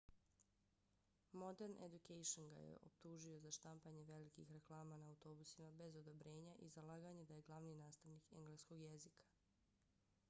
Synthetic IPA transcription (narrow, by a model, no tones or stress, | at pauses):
mo̞d̪e̞ɾnʔḛd̪ukejʃonɡa̰jḛʔo̞̰p̚t̪uʒio̞zaʃt̪ampaɲe̞ʋe̞likḭxɾe̞klˠaːmanaːwt̪o̞busimabe̞zo̞d̪o̞bɾe̞ːɲaʔizalˠaːɡaɲed̪aje̞ɡlˠaʋninaːst̪aʋnikeŋɡleːsko̞ɡjezikʰḁ